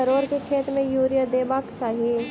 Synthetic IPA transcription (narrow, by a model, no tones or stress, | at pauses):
əɾoːɾkekʰeːt̪mẽjuːɾijəd̪eːbaːksaːɦi